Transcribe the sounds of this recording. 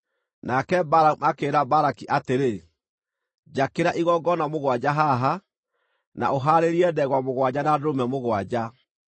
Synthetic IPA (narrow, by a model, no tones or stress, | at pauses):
nakɛbaɾaakeːɾabaɾakiʔateɾe | d͡ʒakeɾaʔiɣɔɡɔnamoɣwad͡ʑaɦaɦa | na̰oɦaɾeɾiɛdɛɣwamoɣwad͡ʑanadomɛmoɣwad͡ʑa